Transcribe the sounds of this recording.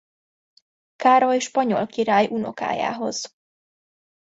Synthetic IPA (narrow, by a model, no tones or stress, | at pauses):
kaːɾojʃpɒɲo̞̰lkiɾaːjʔuno̞̰ka̰ːja̰ːɦo̞̰z̥